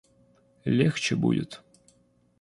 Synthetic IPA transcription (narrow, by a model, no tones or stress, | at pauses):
lʲɛxt͡ɕɪbṵdʲɪt̪